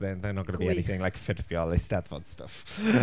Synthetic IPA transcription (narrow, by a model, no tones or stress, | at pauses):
ðɪnðanɔɡənəbiɛniθɪŋlˠajkfɪrvjɔlɛstɛdvɔ̰d̥stə̰f